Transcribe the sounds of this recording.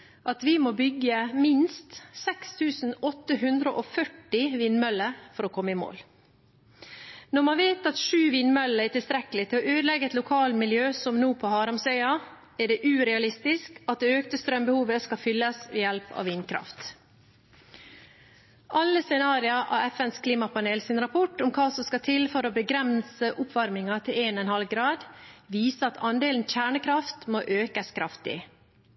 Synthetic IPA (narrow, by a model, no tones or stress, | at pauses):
ʔɑt̪ʋɪmoːbʏɡəmɪnst̪sɛkst̪ʰʉːsn̩ɔt̪ːəɦʉnd̪ɾəʔofœʈːɪʋiːnmœlːəfɔɾoːkʰɔmːəɪmo̰ːl | nɔɾmɑnʋeːt̪ɑt̪ʂʉːʋiːnmœlːəæʈɪlst̪ɾɛkəlɪt̪ʰɪlɔʔøːd̪lɛɡəɛt̪lʊkʰɑːlmɪljøːsɔmnuːpʰɔhɑːɾɑmsœʏɑ | æɖɛʔʉːɾɛɑlɪst̪ɪskɑt̪̚d̪ɛøːkt̪əst̪ɾœmbəhuːʋəskɑfʏlːəsʋiːjɛlpɑ̰ːʋiːnkʰɾɑ̰ft̪ | ʔɑlːəsɛnɑːɾɪəʔɑ̰ːʋɛfɛnskʰliːmɑpʰɑneːlsɪnɾɑpʰɔʈːʊmkʰɑːsɔmskɑt̪ʰɪlfɔɾobəɡɾɛmsəʔʊpʰʋɑɾmɪŋɑt̪ʰɪleːnɛnhɑlɡɾɑːd̪ʋiːsəɑt̪ʰɑnd̪eːln̩çæːɳəkʰɾɑft̪moːʔøːkəskʰɾɑft̪ɪ̰